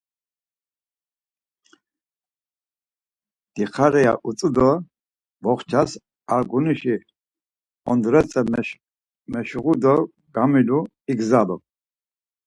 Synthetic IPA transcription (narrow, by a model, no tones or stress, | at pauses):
d̪̥iχaɾɛja̰ʔut͡sʼəd̪ɔ | vɔχt͡ʃʰas | aɾɡuniʃi | ɔnd̪ɾɛt͡sʼɛ | mɛʃuʁud̪ɔ | ɡ̥amilu | iɡzalɔ